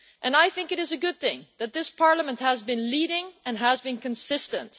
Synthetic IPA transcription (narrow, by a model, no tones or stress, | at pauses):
ʔɨ̃naɪθɪ̃ŋkɨɾɨzɨɡʊd̪̚θɪ̃ŋðɨt̪̚ðɪspʰɑɹləmə̃nt̚həzbɨ̃nliɾɪ̃ŋɨ̃nɦəzbɨ̃nkɨ̃nsɪstə̃nt